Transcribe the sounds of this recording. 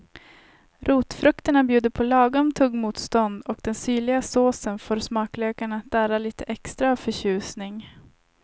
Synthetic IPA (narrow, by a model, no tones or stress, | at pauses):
ɾuːt̪fɾɵkt̪əɳabjʉ̟ːd̪əɾpʰɔlɑːɡɔmt̪ʰɵɡːmuːt̪st̪ɔnd̪ɔkd̪̥ɛnsyːɭɪɡasoːsənfoːɾsmɑːkløːkaɳat̪̚d̪æːɾaliːt̪əʔɛkst̪ɾafœɕʉ̟ːsnɪŋ